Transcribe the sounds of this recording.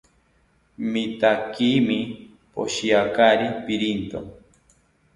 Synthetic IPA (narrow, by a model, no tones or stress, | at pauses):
mit̪akimi | po̰ɕiakaɾipiɾint̪o̰